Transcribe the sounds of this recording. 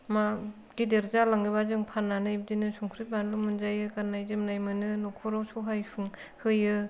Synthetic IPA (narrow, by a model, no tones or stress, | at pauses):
ma | ɡ̥ideɾzalaŋɡɯbazɯŋpʰanːanɯjb̚dinɯsɔŋkʰɾit̚banlumɯnzajɯkanːajzɯmnajmɯnɯnɔkʰɔɾawsuɦajpʰuŋhɯjɯ